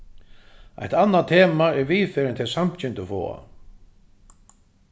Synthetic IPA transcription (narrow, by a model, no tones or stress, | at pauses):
a̰jht̪anːat̪ʰeːmaɛɾviːfɛːɾɪnt̪ʰɪlsam̥t͡ɕɪnt̪ʊfɔ̰ːa̰